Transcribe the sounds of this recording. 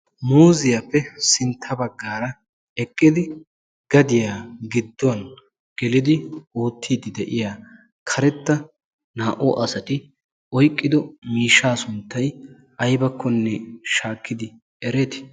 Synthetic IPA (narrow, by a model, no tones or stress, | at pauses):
muːzɪjapːɛsɪnt̪ʰːɐbɐɡːaːɾɐ | ɛkʼːɪd̪ɪ | ɡ̥ɐd̪ɪjaːɡɪd̪ːɔɐn | ɡ̥ɛlɪd̪ɪoːt̪ʰːiːd̪ɪd̪ɛʔɪjaː | kʰɐɾɛt̪ːɐ | naːʔɔʔɐsɐt̪ɪ | ɔjkʼːɪd̪ɔmiːʃːaːsʊnt̪ːɐj | ʔɐjbɐkːɔnːɛʃaːkːɪd̪ɪ | ɛɾe̞ːt̪ɪ̥